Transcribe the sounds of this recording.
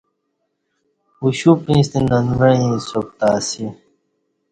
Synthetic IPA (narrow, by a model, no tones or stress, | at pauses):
uɕupĩːst̪inɐnuɾɐ̃ĩsok̚t̪aːsi